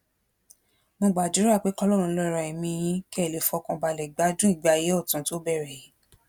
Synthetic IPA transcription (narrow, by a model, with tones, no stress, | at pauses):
mõ˧ɡ͡ba˨d͡ʒu˨˦ɾa˦˨k͡pe˨˦kɔ˦lɔ˦˨ɾũ˧˦lɔ˦˨ɾa˧˨i˨mĩ˧j̃ĩ˦ki˦ɛ˦˨le˨fɔ˧kã˧ba˧˨lɛ˨ɡ͡ba˨˦d͡ʒũ˦i˦˨ɡ͡ba˧˨je˨˦ɔ˦˨tã˨˦to˨˦bɛ˦˨ɾɛ˨ji˨˦